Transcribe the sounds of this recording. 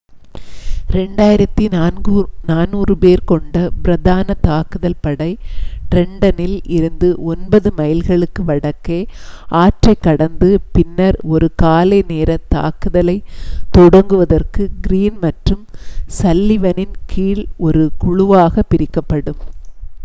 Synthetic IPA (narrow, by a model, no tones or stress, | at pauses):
ɾɛɳɖaːjɪɾɐt̪ːinːnɡnaːnuːrɯpeːɾkɔɳɖɐbɪɾɐðaːnɐt̪aːkɯðɐlpɐɽɐɪʈɾɛɳɖɐnɪlɪɾɯnd̪ɯʔɔnbɐðɯmɐjɪlɣɐɭɯkːɯʋɐɽɐkːeːaːʈrɐɪkːɐɽɐnd̪ɯpɪnːɐɾɔɾɯkaːlɐɪneːɾɐt̪a̰ːkɯðɐlɐɪt̪ɔɽɐŋɡɯʋɐðɐrkɯɡɪɾiːnmɐʈrɯmsɐlːɪʋɐnɪnkʰiːɭɔɾɯkʊɻʊʋaːɣɐpːɪɾɪkːɐpːɐɽɯm